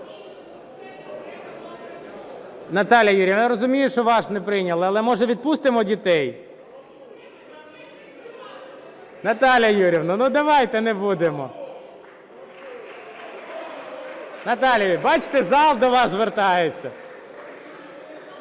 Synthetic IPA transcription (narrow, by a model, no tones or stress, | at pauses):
nɐt̪ɑlʲjɐjuɾʲiʋnɾɔzʊmʲijʊʃt͡ʃɔʋɑʃnɛpɾɪnʲɐlˠɪɐlˠɛmɔʒɛʋʲid̪̚pust̪ɪmɔdʲit̪ɛj | nɐt̪ɑlʲjɐjuɾʲiwnʊnud̪ɐʋɑjt̪ɛnɛbud̪emɔ | nɐt̪ɑlʲjɐibɑt͡ʃt̪ɛzɑlˠd̪ɔʋɑszʋert̪ɑjet͡sʲːɐ